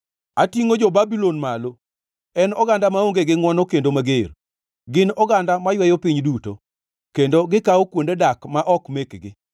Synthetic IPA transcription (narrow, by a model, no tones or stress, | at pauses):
atiŋod͡ʒɔbabilonmalo | ɛnɔɡandamaoŋɡeɡɪŋwɔnɔkendomaɡer | ɡɪnɔɡandamajwɛjopiɲduto̰ | kendoɡɪkaokwondedakmaʔɔkmekɡɪ